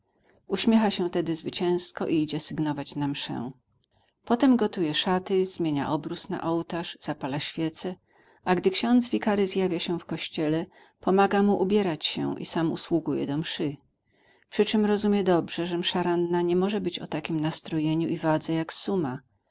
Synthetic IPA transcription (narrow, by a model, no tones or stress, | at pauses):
uɕmʲjexaɕɛ̃t̪ɛd̪ɘzvɘt͡ɕɛ̃skɔʔiid͡ʑɛsɘɡnɔvat͡ɕnamʂɛ̰ | pɔt̪ɛmɡɔt̪ujɛʂat̪ɘz̥mʲjeɲa̰ʔɔbɾusna̰ʔɔwt̪aʐz̥apalaɕfʲjɛt̪sɛ | ʔaɡd̪ɘkɕɔ̃nd̪zvʲikaɾɘzjavʲjaɕɛfkɔɕt͡ɕɛlɛ | pɔmaɡamuʔubʲjɛɾat͡ɕɕɛ̰ʔḭsamṵswuɡujɛ̰d̪ɔmʂɘ | pʂɘt͡ʂɘmɾɔzumʲjɛd̪ɔbʐɛʐɛmʂaɾanːaɲɛmɔʐɛbɘt͡ɕɔ̰t̪akʲimnast̪ɾɔjeɲuʔivad̪zɛjaksuma